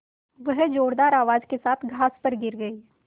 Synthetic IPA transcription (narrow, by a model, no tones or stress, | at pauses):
ʋɐɦd͡ʒoːɽd̪aːɾaːʋaːd͡ʒkesaːt̪ʰɡʱaːspəɾɡɪɾɡɐi